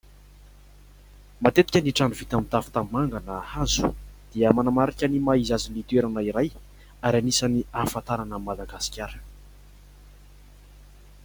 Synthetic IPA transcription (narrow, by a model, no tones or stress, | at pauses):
mat̪et̪i̥kʲəniʈ͡ʂanuvit̪amint̪afi̥t̪amimaŋɡanəhazu̥d̪̥iəmanamaɾikʲənimaizazinlit̪ueɾanəiɾaj | aɾanisaniafat̪aɾanəmad̪aɡasi̥kʲaɾə̥